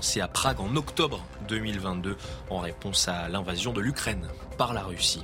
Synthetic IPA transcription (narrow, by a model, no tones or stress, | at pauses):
seapχaɡɑ̃nɔkt̪ɔbʁ | d̪ømilvɛ̃t̪d̪øɑ̃ʁepɔ̃salɛ̃vazjɔ̃d̪əlykχɛn | paʁlaʁysi